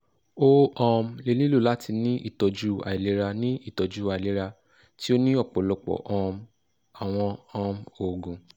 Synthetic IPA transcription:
o˦ɔ̃˧mle˧lĩ˦lu˦˨la˦ti˧nĩ˦ʔḭ˦˨tɔ˨˧d͡ʒu˦a̰˨i˨le˨˦ɾa˧nĩ˦i˦˨tɔ˨d͡ʒu˦a˨i˨le˨˦ɾa˧ | ti˦o˦nĩ˦ɔ˦˨k͡pɔ˨˦˨lɔ˧k͡pɔ̰˨ʔɔ̃˧m | a˨w̃ɔ̃˧ɔ̃˧mo˨ɡũ˨

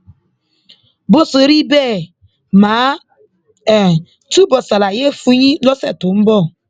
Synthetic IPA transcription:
bʊ˦sʊ˨˦ɾi˦be˦˨ | maː˨˦˨ | tu˦bɔ˨sa˨la˨je˦fu˦ɲi˦lɔ˦sḛ˨tʊ˨m̩˦bɔ˦˨

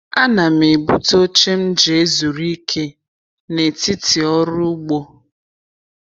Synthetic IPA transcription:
a˦na˨me˨bu˦to˦t͡ʃe˦m̩˦d͡ʒe˨e˦zu˨ɾi˦kʰe˦ | ne˨ti˦ti˨ɔ˦ɾʊ˦ɡ͡bo˦

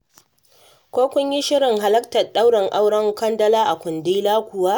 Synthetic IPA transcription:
kʷoː˦kʷʊ˦ɲji˦ʃɪ˦ɽɪ˨ŋɦa˨lɐ˦ktɐ˨ɗa˦wɽɐ˨ŋʔa˦wɽɐ˦ŋkɐ˦ndɐ˦laː˦ʔa˨kʷʊ˨ndiː˦laː˦kʷʊ˨waː˦

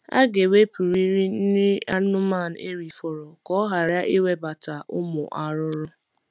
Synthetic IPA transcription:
a̰˦ɡe˨we˦pu˨ɾi˦ɾi˦n̩˦nɪ˦a˦ʊ˦ma˦˨n̩˨e˦ɾi˨fɔ˨ɾɔ˨kɔ˦ɦa˨ɾja˦ʔi˦we˦ba˨ta˨ʔʊ˦mʊ˨ʔa˨ɾʊ˦ɾʊ˦

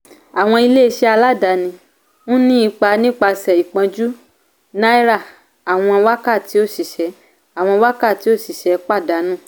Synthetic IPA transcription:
a˨w̃ɔ̃˧i˧le˦i˧ʃɛ˦a˧la˦˨da˨˦nĩ˧ | nũ˦nĩ˦i˧k͡pa˧nĩ˦k͡pa˧sɛ˨i˨k͡pã˧d͡ʒu˦ | na˦i˦ɾa˦˨ | a˨w̃ɔ̃˧wa˦ka˦˨ti˨˦o˦˨ʃi˨ʃɛ˨˦ | a˨w̃ɔ̃˧wa˦ka˦˨ti˨˦o˦˨ʃi˨ʃɛ˨˦k͡pa˦˨da˨˦nũ˦˨

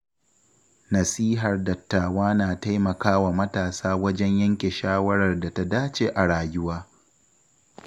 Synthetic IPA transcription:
nɐ˨siː˦ɦɐ˨rdɐ˨tːaː˨waː˦naː˨ta˦jmɐ˨kaː˦wa˨mɐ˦taː˨saː˦wɐ˦d͡ʒɛ˦ɲjɐ˦ŋkʲe˨ʃaː˦wɐ˦ɽɐ˨rda˨ta˦daː˦t͡ʃe˨ʔa˨ɽaː˨jʊ˦waː˦

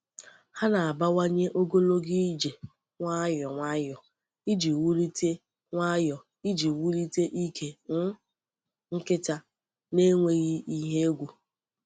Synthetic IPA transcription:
ha˦na˨a˨ba˦wa˦ɲe˦ʔo˦ɡo˦lo˦ɡi˦d͡ʒe˨ | ŋʷa˦jɔ˨ŋʷa˦jɔ˨ | i˦d͡ʒi˨wu˦li˦te˦ | ŋʷa˦jɔ˨ | i˦d͡ʒi˨wu˦ɾi˦te˦ʔi˦kʰe˨ŋ̩˦ | ŋ̩˦kɪ˦ta˦ | ne˦ŋʷe˦ɣi˦i˦ɦe˦e˦ɡʷu˨

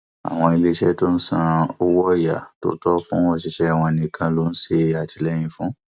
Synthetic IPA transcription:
a̰˨w̃ɔ̃˧i˧le˦ʃɛ˦to˦n̩˦sã˦˧o˦wɔ˦ja˨to̰˦tɔ˦kɔ̃˦wɔ˦˨ʃ̬i˧ʃɛ˦˨w̃ɔ̃˧nĩ˨kʰã˧lo˨˦n̩˦se˧˨a˨ti˧lɛ˦j̃ĩ˧fũ˦

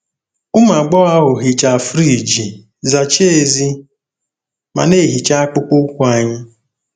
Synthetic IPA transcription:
ʊ˦ma˨ɡ͡bɔ˦a˦ɦʊ˨ɦi˨t͡ʃa˨fɾi˦˨d͡ʒi˨ | za˨t͡ʃe˦˨zi˦ | ma̰˨ne˦˨ɦi˨t͡ʃa˦a˦k͡pʊ˦kʊ˦kʷu˦a˨ɲɪ˦

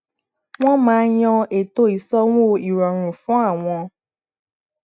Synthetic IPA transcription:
w̃ɔ̃˦mãː˧˦j̃ɔ̃˧e˨to˧˦i˨˦sɔ˦w̃o˦˨i˨ɾɔ˨ɾ̃ũ˨fũ˨˦a˦˨w̃ɔ̃˧

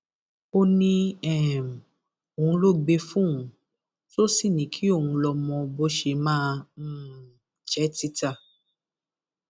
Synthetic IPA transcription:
o˧nĩ˧ɛ˦˨m˨ | o˨ũ˧lo˦˨ɡ͡be˧fũ˦ũ˦ | so˦si˦˨nĩ˨˦kʰi˦o˦˨wũ˧lɔ˧mɔ̃˧bo˦ʃe˧mãː˦˧˦ | t͡ʃɛ˦ti˦ta˦˧˨

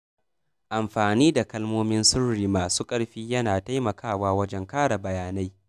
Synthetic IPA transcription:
ʔa˨mɸaː˨niː˦da˨kɐ˦lmoː˦mɪ˦nsʊ˦ɽɽiː˨maː˨su˦kʼɐ˦ɽɸiː˦jɐ˦naː˨ta˦jmɐ˨kʰaː˦˨waː˦wɐ˦d͡ʒɛ˦ŋkaː˦ɽa˨bɐ˨jaː˨na˦j

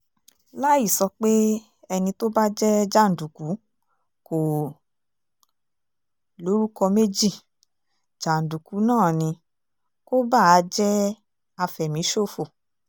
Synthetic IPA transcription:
la˦ji˦˨sɔ˧k͡pe˦ | ɛ˧nĩ˧to˦ba˦d͡ʒɛ˦d͡ʒa˦˨n̩˨du˨ku˨˦ | ko˨ | lo˨˦ɾu˦kɔ˧me˦d͡ʒi˦˨ | d͡ʒa˨n̩˨du˨ku˨˦nãː˦˨nĩ˧ | ko˦ba˦˨˦d͡ʒɛ˦ | a˧fɛ˨mĩ˨˦ʃo˦˨fo˨

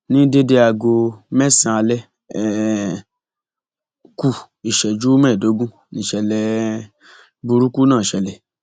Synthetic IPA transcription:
nĩ˦de˦de˧a˧ɡo˧mɛ˦sĩ˧a˧lɛ˦ | ɛ˨ | ku˧ | i˨ʃɛ˨d͡ʒu˦mɛ˦˨do˨˦ɡũ˦ | nĩ˨ʃɛ˨lɛ˧ | bu˧ɾu˦ku˦nãː˦˨ʃɛ˨lɛ˨

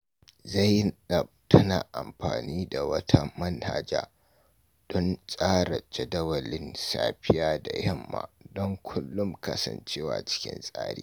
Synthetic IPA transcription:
za˦˨jːɪ˦nɗɐ˨b̚tʰɐ˦naː˨ʔa˨mɸaː˨niː˦da˨wɐ˦tʰa˦mɐ˦nha˨d͡ʒaː˦ | d̥ɔ˦nsʼaː˦ɽa˨t͡ʃɐ˨dɐ˦wɐ˨lɪ˦nsa̰ː˦ɸɪ˦jaː˦da˨jɐ˦˨mːa̰ː˨dɔ˦ŋkʷʰʊ˦lːʊ˦mkɐ˦sɐ̰˨nt͡ʃeː˦wa̰ː˨t͡ʃɪ̥˦kʲɪ̰˦nsʼa̰ː˦ɽḭː˦

